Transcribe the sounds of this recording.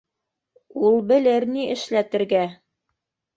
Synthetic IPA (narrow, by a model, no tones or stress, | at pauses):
ulˠbɘ̆lɘɾniʔɘ̆ʃlæt̪ɘ̆ɾɡæ